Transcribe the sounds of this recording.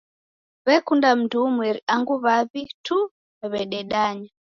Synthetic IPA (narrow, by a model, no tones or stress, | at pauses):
βɛkundam̩tuumwɛɾiaŋɡuβaβitʰu | ɛβɛɗɛɗaɲa